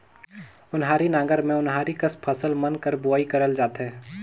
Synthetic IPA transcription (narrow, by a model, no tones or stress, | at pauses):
ʊnɦaːɾinãːŋɡəɾmẽʊnɦaːɾikəspʰəsəlmɐnkəɾbʊaːikɐɾəld͡ʒaːt̪ɦɛː